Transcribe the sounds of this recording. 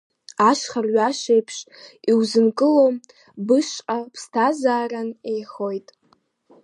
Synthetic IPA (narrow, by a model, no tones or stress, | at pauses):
aʃχarɥaʃejpʰʂiwzɨnkʼɨlo | bɨʃqʼapʰstʰazaːranejχo̞jtʼ